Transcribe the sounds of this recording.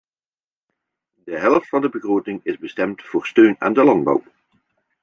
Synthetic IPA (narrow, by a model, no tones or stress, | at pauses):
dəɦɛlˠəftfɑndəbəɣroːtɪŋɪzbəstɛmtfʊːɹstøːna̰ːndəlɑnd̚bɑ̰w